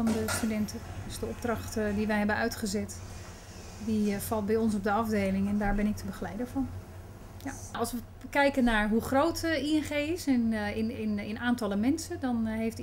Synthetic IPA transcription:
ɑndəstydɛntədəsdəɔb̚drɑxtədiʋɛjɦɛbənœɥtχəzɛt | difɑlˠt̚bɛjɔns̬ɔb̚dəɑvdeːlɪŋɛndaːɹbɪnɪk̚tʰəbəxəlɛjdəvɔn | jaɑlˠsʋə | kɛjkənːaɹɦuχroːtiɛnχeːɪsɪnɪnɪnɪnʔaːntɑlˠəmɛnsədɔnɦejft

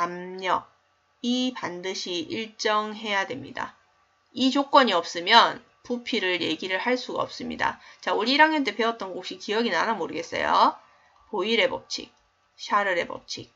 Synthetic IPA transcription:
namɲʌk̚ | ipandɯɕʰiʔiɭt͡ɕ͈ʌŋɦe̞jadwe̞mɲida̰ | it͡ɕok͈wʌɲiʌp̚s͈ɯmjʌn | pupʰiɾɯɭje̞ɡiɾɯɭhaɭs͈uɡa̰ʌp̚s͈ɯmɲḭda̰t͡ɕauɾiːɾaŋjʌnt͈e̞pe̞ʌt̚t͈ʌnɡok̚ɕ͈ikijʌɡinanamoɾɯɡe̞s͈ḛjo̰ | poiɾe̞bʌp̚t͡ɕʰḭk̚ | ɕʰaɾɯɾe̞bʌ̰p̚t͡ɕʰik̚

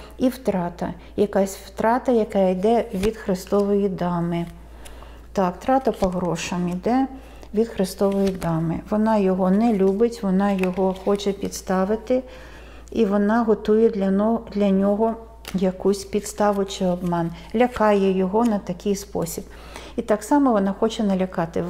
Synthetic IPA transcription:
iwt̪ɾɑt̪ɐ | jɐkɑsʲwt̪ɾɑt̪ɐjɐkɛjd̪ɛʋʲid̪xɾɪst̪ɔʋɔjid̪ɑmɪ | t̪ɑkt̪ɾɑt̪ɐpɔɦɾɔʃɐmid̪ɛ | ʋʲid̪xɾɪst̪ɔʋɔjid̪ɑmɪʋɔnɑjɔɦɔnɛlʲubɪtʲʋɔnɑjɔɦɔxɔt͡ʃɛpʲid̪st̪ɑʋɪt̪ɪ | iʋɔnɑɦɔt̪ujɛd̪ʲd̪lʲɐnʲɔɦɔ | jɐkusʲpʲid̪st̪ɑʋʊt͡ʃɪɔbmɑnlʲɐkɑjɛjɔɦɔnɐt̪ɐkɪjspɔ̰sʲib̥ | it̪ɑksɑmɔʋɔnɑxɔt͡ʃɛnɐlʲɐkɑt̪ɪ

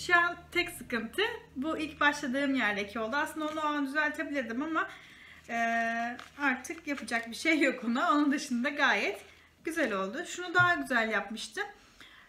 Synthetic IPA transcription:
ʃant̪ʰɛcsɯkɯnt̪ʰɯbuʔilʲcbaʃlˠad̪ɯːmjæɾd̪ecʰio̞lˠd̪uaslɯnd̪onaand̪yzælʲt̪ʰebilʲed̪imama | ɛː | aɾt̪ʰɯkjapʰɯd͡ʒak̚biʃejːo̞kʰunaonund̪ɯʃɯnd̪aɡaːjɛt̪ | ɟ̥yzælʲo̞lˠd̪ʊʃunud̪aɦaɟyzælʲjapmɯʃt̪ʰɯm

